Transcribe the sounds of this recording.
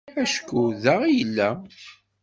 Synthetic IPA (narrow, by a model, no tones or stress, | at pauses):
æʃkːuðæʁijəlːæ